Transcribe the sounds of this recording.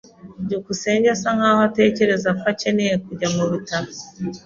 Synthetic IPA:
ɟukuse̞ːɲɟesaŋaːhate̞ːce̞ɾe̞zakwacenejekuɟamuβutaβo

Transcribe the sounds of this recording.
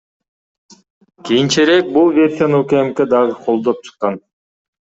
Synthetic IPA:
kijint͡ʃeɾe̞k̚bulˠvʲe̞rsʲijanokeemke̞d̪ɑʁɯqʰo̞lˠd̪op̚t͡ʃʰɯ̥qːɑn

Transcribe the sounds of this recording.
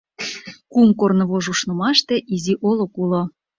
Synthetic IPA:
kumkornɤ̆βoʒuʃnŏmɑʃt̪ĕʔiziʔolokulo

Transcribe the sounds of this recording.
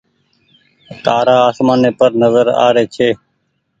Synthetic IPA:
t̪aːɾaːaːsmaːneːpəɾnəzəɾa̰ːɾeːt͡ʃʰeː

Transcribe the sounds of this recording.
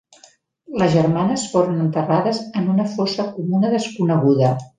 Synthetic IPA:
ləzʒərmanəsfoɾənənt̪əraðəzənunəfosəkumunəðəskunəɣ̞uðə

